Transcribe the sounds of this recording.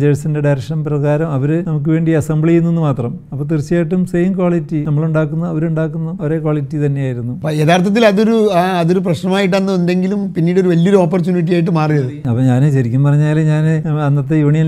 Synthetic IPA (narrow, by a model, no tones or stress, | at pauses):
d͡ʑeɻsindeɖɐjɾɐkʂɐnɐmprɐɣaːɾɐmɐʋɐɾɨnɐmuk̬ːɨʋe̞ːɳɖiɐsɐmbɭijunːenːɨmaːt̪rɐm | ɐpːoːt̪̬irit͡ɕːijajʈːumsejiŋkwaːɭitːinɐmːɐɭuɳɖaːkːunːɐɐʋɐɾuɳɖaːkːunːɐoɾe̞ːkwaːɭitːit̪ɐnːe̞jaːjiɾunːuɐpːjet̪aːrt̪ʰɐt̪ːilɐðo̞ɾuɐðo̞ɾup̬rɐɕnɐmaːjiʈ̬ːɐnːɐende̞ŋɡilumpinːiːɽo̞ɾuʋɐlːioɾuoːpːɐrt͡ɕuːniʈ̬ːijaːjiʈ̬ːɨmaːrijɐðɨɐpːɐːɲaːnɨɕɐɾikʲːumpɐrɐɲːaːlɲaːnɐnːɐt̪̬ːejuːɳijɐn